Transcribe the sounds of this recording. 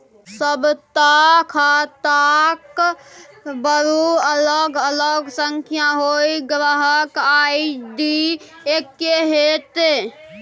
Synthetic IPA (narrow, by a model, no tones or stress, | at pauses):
səbt̪akʰat̪ak | bəɾuələɡələɡsəŋkʰjaɦojɡɾəɦəkajɖi | ekːeɦet̪e